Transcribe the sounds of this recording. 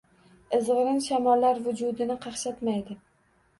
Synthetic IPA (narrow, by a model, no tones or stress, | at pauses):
ɪzʁɨɾɪnʃamɒlːaɾvʊd͡ʒʊd̪ɪnɪqʰɑχʃat̪majd̪ɪ